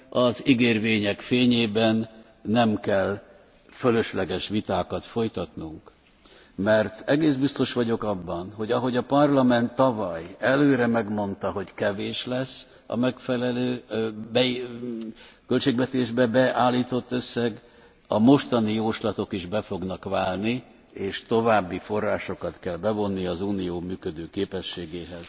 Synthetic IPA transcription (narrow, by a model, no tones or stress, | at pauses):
ʔɒziɡeːrveːɲɛkfeːɲeːbɛnː | ɛmkɛl | følø̞ʃlɛɡɛʃʋit̪aːkɒt̪fo̞jt̪ɒt̪nuŋk | mɛrt̪ɛɡeːzbist̪o̞ʃʋɒɟo̞kɒbːɒnɦo̞ɟɒɦo̞ɟɒpɒrlɒmɛnt̪ːɒvɒjɛløːɾɛmɛɡmo̞nt̪ɒɦo̞ɟkɛveːʃlɛsː | ɒ̰mɛkfɛlɛløːbɛ | kølt͡ʃeːɡʋɛt̪eːʒbɛbɛʔaːlːiːt̪o̞t̪ːø̞sːɛɡ | ɒmo̞ʃt̪ɒnijoːʃlɒt̪o̞kiʒbɛfo̞ɡnɒkʋaːlni | eːʃt̪o̞vaːbːifo̞rːaːʃo̞kɒt̪kɛlbɛvo̞nːiɒzuːnijoːmyːkød̪øːkeːpɛʃːeːɡeːɦɛz̥